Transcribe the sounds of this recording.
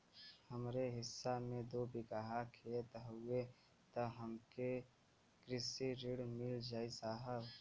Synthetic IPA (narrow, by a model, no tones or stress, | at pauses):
həmɾeɦɪsːamẽd̪oːbʱɪkaɦakʰiet̪ɦʊe | t̪əɦəmke | kɾɪsiɾɪɽmɪld͡ʒaːisaːɦəb